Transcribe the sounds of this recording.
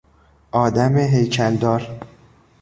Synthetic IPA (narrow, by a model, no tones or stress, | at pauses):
ʔɒːd̪æmeɦejcʰæld̪ɒːɾ